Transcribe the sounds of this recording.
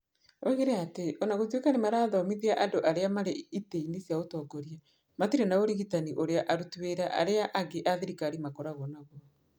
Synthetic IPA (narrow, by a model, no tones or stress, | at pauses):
oiɣeɾeateʔɔnaɣotwekanimaɾaːðɔmiðiaʔadoʔaɾeamaɾeiteinisjaotɔɡɔɾia | matiɾenaoɾeɣitaniʔoɾeaʔaɾutweɾaʔa̰ɾeaʔaɡeʔaðiɾikaɾimakɔɾaɣɔnaɣɔ